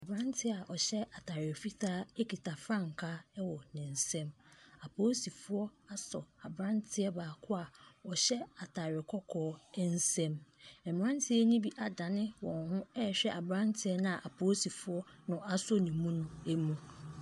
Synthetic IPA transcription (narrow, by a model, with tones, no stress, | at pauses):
a˨bɾã˦n˦tʰɪ˦a˨ʔɔ˨ɕɛ˦a˨tʰaː˨ɾɪ˨ɛ˨fi˦tʰaː˦e˦ki˨tʰa˨fɾã˦˨ŋ˨kʰa˦wɔ˨nɪ̃˨n̩˨sɛ̃˦ma˨pʰoː˦si˨fʊ˦ɔ˦a˦sɔ˨a˨bɾã˦n˦tʰɪ˦ɛ˦baː˨kʰʊ˦a˨ɔ˨ɕɛ˦a˨tʰa˨ɾɪ˨kʰɔ˦kʰɔː˦n̩˦sɛ̃˦mɛ˨m˨ɾã˦n˦tʰɪ˦ɛ˦nĩ˦bi˦ʔa˨dã˨nɪ̃˦wɔ̃˨nhʊ̃˦ɛ˦˨ɕᶣɛ˦ʔa˨bɾã˦ntʰɪ˦ɛ˦nã˦a˨ʔa˨pʰoː˦si˨fʊ˦ɔ˦nʊ̃˨a˦so˦nĩ˨mũ˦nʊ̃˦e˦mũ˦